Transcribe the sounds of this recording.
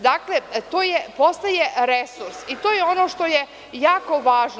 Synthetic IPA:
d̪aklet̪oːjepo̞st̪ajeɾesuɾsit̪oːjeo̞no̞ːʃt̪o̞je | jaːko̞ʋaːʒn

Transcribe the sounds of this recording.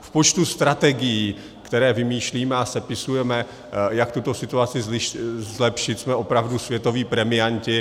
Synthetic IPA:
fpo̞t͡ʃt̪ust̪ɾat̪ɛɡɪjiː | kt̪ɛɾɛːvɪmiːʃliːmɛasɛpɪsujɛmɛ | jak̚t̪ut̪o̞sɪt̪uat͡sɪzɪzlɛpʃɪt̪smɛʔo̞pɾavdusvjɛt̪o̞viːpɾɛmɪjancɪ

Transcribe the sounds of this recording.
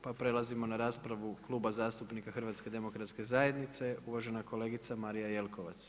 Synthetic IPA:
papɾe̞lˠazimo̞naɾaːspɾaʋuklˠuːbazaːst̪upnikaxr̩ʋat̪ske̞d̪e̞mo̞kɾat̪ske̞zaːje̞d̪nit̪se̞uʋaʒe̞nako̞le̞ɡit̪samaɾijaje̞lˠko̞ʋa̰t̪s

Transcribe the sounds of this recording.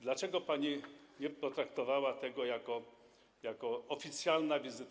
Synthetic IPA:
d̪lat͡ʂɛɡɔpaɲiɲɛpɔt̪ɾakt̪ɔvawat̪ɛɡɔjakɔ | jakɔɔfʲit̪sʲjalnavʲizɘt̪

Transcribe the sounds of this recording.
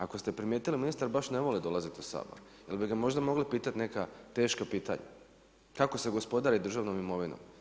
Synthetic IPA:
akost̪e̞pɾimjeːt̪iliminist̪aɾbaʃneʋo̞lid̪o̞lˠazet̪osa̰bo̰ɾ | jelbiɡamo̞ʒd̪amo̞ɡlipiːt̪at̪ne̞kat̪e̞ːʃkapiːt̪a̰ɲa̰ | kako̞se̞ɡo̞spo̞d̪aɾid̪r̩ʒaʋnomimo̞ʋino̰m

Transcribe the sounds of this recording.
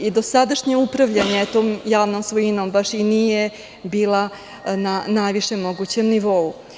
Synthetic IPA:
id̪o̞sad̪aʃɲeupɾaʋʎaɲet̪oːmjaːʋnoːmsʋojino̞mbaʃinije | biːla | nanajʋiʃe̞mo̞ɡut͡ɕe̞mniʋo̞u

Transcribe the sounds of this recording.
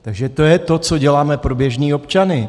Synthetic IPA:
t̪aɡʒɛt̪o̞jɛt̪o̞t͡so̞ɟɛlaːmɛpɾo̞bjɛʒniːo̞pt͡ʃanɪ

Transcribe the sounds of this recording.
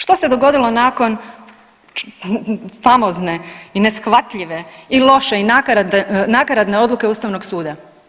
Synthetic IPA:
ʃt̪ose̞d̪o̞ɡo̞d̪ilˠo̞naːko̞n | famozne̞ine̞sxʋat̪ʎiʋe̞ilˠo̞ʃeinaknakaɾad̪neo̞d̪luke̞uːst̪aʋno̞ɡsuːd̪a

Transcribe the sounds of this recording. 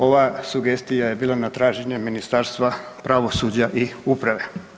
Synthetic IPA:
o̞ʋasuɡe̞st̪ijaje̞biːlˠanat̪ɾaːʒeɲeminist̪aːɾst̪ʋapɾaʋo̞sud͡ʑaʔiupɾaʋe̞

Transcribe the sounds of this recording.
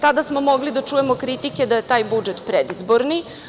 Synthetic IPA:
t̪ad̪asmo̞mo̞ɡlid̪at͡ʂuje̞mo̞kɾit̪ike̞d̪aje̞t̪aːjbud͡ʒet̪pɾed̪izbo̞ɾni

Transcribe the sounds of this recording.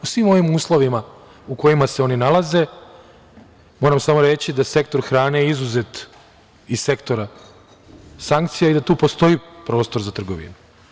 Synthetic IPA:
usʋimo̞ʋimuːslˠo̞ʋima | uko̞jimase̞o̞ninalaze̞ | mo̞ːɾamsamo̞ɾe̞t͡ɕid̪ase̞k̚t̪o̞ɾxɾaːnejizuze̞t̪ | isse̞kt̪o̞ɾa | saŋk̚t̪sijaid̪at̪uːpo̞st̪o̞ipɾo̞ːst̪o̞ɾzat̪r̩ɡo̞ʋḭnu

